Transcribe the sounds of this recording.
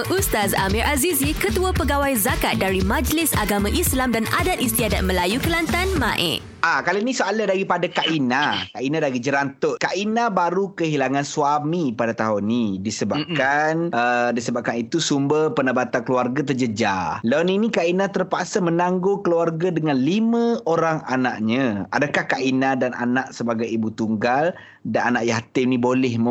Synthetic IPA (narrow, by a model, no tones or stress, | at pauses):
ʔust̪azamiɾʔazizikət̪uapəɡawajzakat̪̚daɾimãd͡ʒlɪsaɡamãʔislamdana̰dat̪̚ist̪iadat̪̚məlajukəlant̪anmã̰ʔɪ̰ʔ | akalainĩsoaladaɡipadakaʔinakaʔinadaɡid͡ʒəɾant̪ʊʔ̚kaʔinãbaɾukəɦilaŋansuamipadat̪aɦʊnːidisəbap̚kkanʔədisəbap̚kanit̪usumbərpənəbat̪ankəluarɡat̪̬ərd͡ʒəd͡ʒalawninikainat̪ərpaʔsamənaŋɡokəluarɡadəŋanlimə̃oɾaŋanaʔɲə̃a̰dakahkaʔinadana̰naʔsəbaɡajibut̪uŋɡal | dananaʔjaɦat̪ɪmnĩbolɛhm